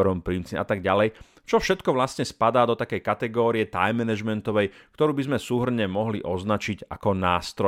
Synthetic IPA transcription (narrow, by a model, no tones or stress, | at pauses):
ɾɔmpɾimt͡sia̰t̪aɡɟalɛj | t͡ʃɔfʃɛt̪kɔʋlasɲɛspad̪aːd̪ɔt̪akɛjkat̪ɛɡɔːɾijɛt̪a̰jmːɛnɛʒmɛnt̪ɔʋɛjkt̪ɔɾuːbizmɛsuːɦr̩ɲɛmɔɦliʔɔznat͡ʃiɟa̰kɔnaːst̪ɾɔ